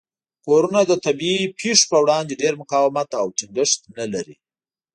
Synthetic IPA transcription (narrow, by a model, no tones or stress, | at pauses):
poɾunad̪ət̪abiipʰeʂpəwɽɑnd̪eɖeɾmʊqɑwɪmat̪awʈɪŋɡɪʂt̪nalaɾḭ